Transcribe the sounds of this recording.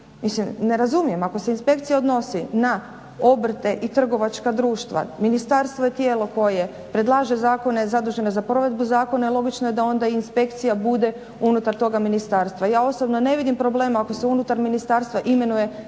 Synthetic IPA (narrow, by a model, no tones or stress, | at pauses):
mislimne̞ɾazumije̞mako̞se̞inspe̞kt̪sijaod̪no̞sina | o̞br̩t̪e̞ʔit̪r̩ɡo̞ʋat͡ʃkad̪ɾuːʃt̪ʋa̰minist̪aɾst̪ʋoje̞t̪jeːlo̞ko̞je | pɾe̞d̪lˠaːʒe̞zaːko̞ne̞zad̪uːʒe̞ne̞zapɾo̞ʋe̞d̪buzaːko̞nailˠo̞ɡit͡ʃnojed̪ao̞nd̪aiinspe̞kt̪sijabud̪e̞ | unut̪aɾt̪o̞ɡaminist̪aːɾst̪ʋajaːo̞sobnone̞ʋid̪impɾo̞ble̞ːmaako̞se̞unut̪aɾminist̪aːɾst̪ʋaʔime̞nuje̞